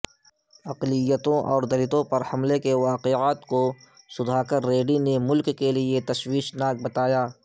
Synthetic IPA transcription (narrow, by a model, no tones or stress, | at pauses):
ɐqlɪjːət̪õʔɔːɾd̪ɐlɪt̪õpɐɾhɐmlekeʋaːqeaːt̪ko | sʊd̪ʱaːkɐɾːeːɖinemʊlkːeliet̪ɐʃwiːʃnaːk̚bɐt̪aːjaː